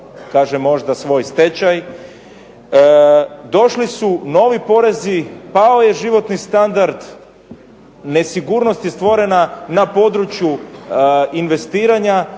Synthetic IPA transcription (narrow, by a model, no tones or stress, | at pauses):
kaːʒemːo̞ʒd̪asʋo̞ːjst̪e̞t͡ɕaj | d̪o̞ʃlisuno̞ʋipo̞ɾe̞zipao̞je̞ʒiʋo̞t̪nist̪and̪aɾd̪ | ne̞siɡuːɾno̞st̪ist̪ʋo̞ɾe̞nanapo̞d̪ɾut͡ɕju | inʋe̞st̪iːɾaɲa